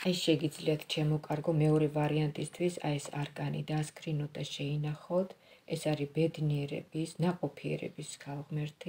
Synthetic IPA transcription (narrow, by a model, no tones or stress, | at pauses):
aɛsʃɛɡid̪zliat̪ʰt͡ʃʰamɔkʼaɾɡɔmɛɔɾɛvaɾiant̪ʼist̪ʰwisa̰ɛsa̰ɾɡʼanḭd̪askʰɾinɔt̪̚d̪aʃɛinaχɔt̪ʰɛsaɾibɛd̪niɛɾɛ̰bisnaqʼɔpʰiɛ̰ɾɛ̰bisɡalˠʁmɛɾt̪ʰi